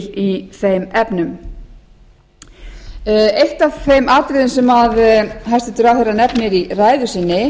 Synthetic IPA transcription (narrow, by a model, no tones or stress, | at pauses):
liθejmɛpnʏm | ejht̪avfejmʔaːt̪ɾɪðɪnsɛmaðɦajst̪ɪt̪ʏɾawhɛranɛpnjɛɾiraːjðʏsɪnːɪ